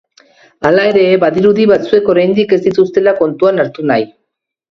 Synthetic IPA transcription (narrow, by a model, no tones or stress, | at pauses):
alae̞ɾe̞baðiɾuðiβat͡sue̞ko̞ɾajnd̪ike̞zd̪it̪ust̪e̞lako̞nt̪uanaɾt̪unaj